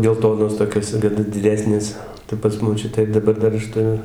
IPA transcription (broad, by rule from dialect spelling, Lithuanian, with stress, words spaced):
ɡʲɛlˠˈtoːnoːs toːˈkʲoːs ɡʲɪ t dʲɪˈdʲæːsʲnʲeːs tɐɪ pɐs moːˈt͡ʃʲʊtʲæː ɪr dɐˈbɐr ˈdɐr ˈɐʃ tʊˈrʲʊ